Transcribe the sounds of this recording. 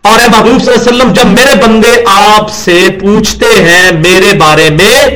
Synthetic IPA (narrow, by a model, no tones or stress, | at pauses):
ɔːɾɛ̃ːmaːɦuːbsəlːaːsəlːəmd͡ʒəbmeːɾebə̃nd̪eʔaːpsepuːt͡ʃʰt̪eɦɛ̃ːmeːɾebaːɾemẽː